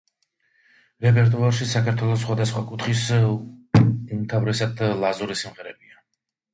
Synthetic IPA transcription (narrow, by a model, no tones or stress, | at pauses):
ɾɛpʰʼɛɾt̪ʼuaɾʃisakʰaɾt̪ʰwɛlˠɔs̬ːχwad̪asχwakʼut̪χis | umt̪ʰavɾɛsad̪lˠazuɾisimʁɛɾɛbia